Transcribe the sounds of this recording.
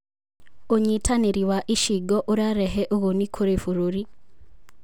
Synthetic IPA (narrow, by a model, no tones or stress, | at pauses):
oɲitʰaniɾiwaʔiʃiɡoʔoɾaɾeɦeʔoɣonikʰoɾefuɾuɾi